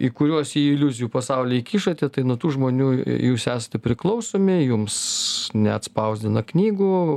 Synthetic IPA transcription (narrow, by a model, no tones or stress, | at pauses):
ikʊɾʲuɔsiːɪlʲʊzʲɪjuːpɐsɐʊlʲɪikʲiːʃɐt̪ʲɛt̪ɐɪnut̪uːʒmoːnʲuːjuːsæːsɐ̥t̪ʲɛpʲɾʲɪklˠɐʊsoːmʲɪjʊmsnʲɛɐt̪spɐʊzʲd̪ʲɪnɐknʲiːɡʊ